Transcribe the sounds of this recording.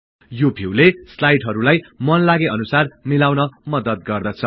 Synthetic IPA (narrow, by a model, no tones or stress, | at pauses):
jobʱiwleslajʈɦʌɾulajmʌnlaɡeʌnusarmilawnʌmʌd̪ʌd̪ɡʌrd̪ʌt͡sʰʌ